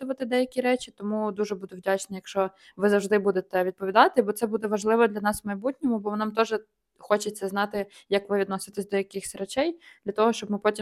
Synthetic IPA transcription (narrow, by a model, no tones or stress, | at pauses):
ʊʋɐt̪ɪd̪ɛjɐkʲiɾɛt͡ʃʲit̪ɔmud̪uʒɛbud̪ʊwdʲat͡ʃnɐjɐkʃt͡ʃɔ | ʋɪzɐwʐd̪ɪbud̪et̪ɛʋʲid̪̚pɔid̪ɑt̪ɪbɔt̪sɛbud̪ɛʋɐʒlˠɪʋɔd̪lʲɐnɑsmɐjbutʲnʲɔmʊbɔnɑmt̪ɔʒɪ | xɔt͡ʃet̪ʲsɛznɑt̪ɪ | jɐkʋɪʋʲid̪nɔsʲɪt̪ɪsʲd̪ɔjɐkɪxsʲrɛt͡ʃɛjd̪̥lʲɐt̪ɔɦɔʃt͡ʃɔbmɪpɔtʲi